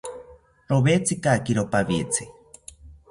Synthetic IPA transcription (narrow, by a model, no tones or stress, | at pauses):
ɾoβet͡sʰikakiɾopaβit͡sʰi